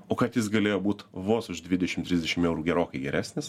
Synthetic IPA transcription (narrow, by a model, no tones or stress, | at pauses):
oːkɐt̪jɪs̬ɡɐlʲeːjoːbuːt̪ʋoːsʊʃd̪ʲʋʲɪd̪ʲɛʃʲɪmt̪ʲɾʲɪzʲd̪ʲɛʃʲɪmɛʊɾuːɡʲɛɾoːkɐɪɡʲɛɾʲæːsʲnʲɪs